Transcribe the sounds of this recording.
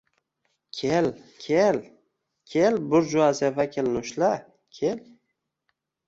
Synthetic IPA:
kʲʰelkʲʰel | kʲʰelbʊɾd͡ʒʊazevakʰʲelnʊʃla | kʲʰel

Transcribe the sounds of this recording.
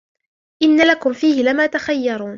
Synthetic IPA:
ʔɪnːalakʊmfiːhɪlɪmaːt̪axajːɑɾˤuːn

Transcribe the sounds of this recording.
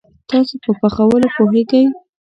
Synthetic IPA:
t̪ɑsopəpaxawəlopoɦeɡawi

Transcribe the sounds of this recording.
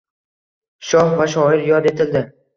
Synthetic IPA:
ʃɒhvaʃ̬ɒɪɾjɒd̪e̞t̪ʰɪld̪ɪ

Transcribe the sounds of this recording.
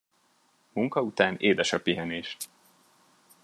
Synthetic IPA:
muŋkɒut̪aːneːd̪ɛʃɒpːiɦɛneːʃ

